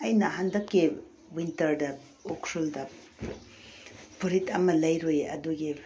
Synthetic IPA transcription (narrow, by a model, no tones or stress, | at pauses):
ɐjnɐɦandɐkːi | wintɐɾdɐ | ukʰɾuldɐ | pʰuɾitɐmɐlɐjɾojɐ̰duɡi